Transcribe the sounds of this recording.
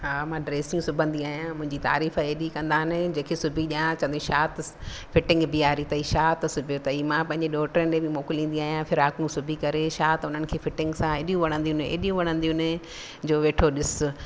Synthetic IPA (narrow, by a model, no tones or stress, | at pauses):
ɦaːmãɖɾeːsijũsʊbʱə̃nd̪iaːɦijãmʊ̃ɦɪ̃ɲd͡ʑit̪a̰ːɾiːfeːɗikɐ̃nd̪aːɦɪnɪd͡ʑẽːkʰesʊbʱiɗijãt͡ɕɐ̃nd̪ĩʃaːt̪fɪʈɪ̃ŋɡbiaːɾit̪ɐiʃaːt̪sʊbʱjot̪ɐimãpɐ̃ɦɪ̃ɲd͡ʑeɗɔːʈəɾənɪ̆ẽbɪmoːkɪlĩːnd̪iaːɦijãfʰɪɾaːkũsʊbʱikɐɾeʃaːt̪ʊn̤ənɪ̆kʰeːfɪʈɪ̃ŋɡsãɪɗijũʋɐɽ̃ə̃nd̪iũnḛːɗijũʋɐɽ̃ə̃nd̪ijũnɪ | d͡ʑoːʋeːʈʰoɗɪsʊ